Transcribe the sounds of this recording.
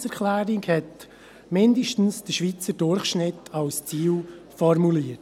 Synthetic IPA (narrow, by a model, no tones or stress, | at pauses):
sɛɾkʰlæːɾikhɛt | mɪndiʃtn̩sd̥əʃʋit͡səɾdʊɾχʃnɪtʰɑlst͡siːl | fɔɾmuliːət